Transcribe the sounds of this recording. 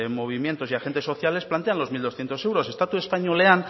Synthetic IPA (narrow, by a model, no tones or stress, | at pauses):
mo̞β̞imje̞nt̪o̞siaxe̞nt̪e̞so̞θjale̞splant̪e̞anlo̞zmild̪osθjent̪o̞sewɾo̞se̞st̪at̪ue̞spaɲolean